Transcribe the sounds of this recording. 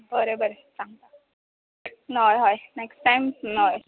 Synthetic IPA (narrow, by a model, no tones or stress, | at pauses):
bəɾebəɾe | t͡sãŋɡt̪a | nojɦɔjnɛksʈajmnoj